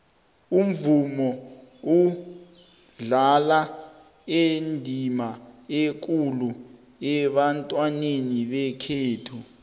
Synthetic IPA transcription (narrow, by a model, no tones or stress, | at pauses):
um̩vumɔu | ɮala | endʱimaek̬ʼulu | ɛɓantʼwaneniɓɛkʰeːtʰu